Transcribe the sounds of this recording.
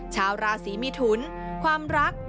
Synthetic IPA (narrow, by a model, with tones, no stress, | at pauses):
t͡ɕʰaː˧wɾaː˧siː˩˦mi˧t̪ʰu˩˦n | kʰwaː˧mɾa˦˥k̚